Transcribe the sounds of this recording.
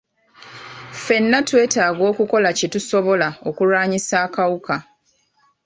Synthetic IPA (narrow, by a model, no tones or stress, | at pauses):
fe̞nːatwe̞ːtaːɡo̞ːkuko̞lacetuso̞βo̞lao̞kuɾaːɲisaːkawuka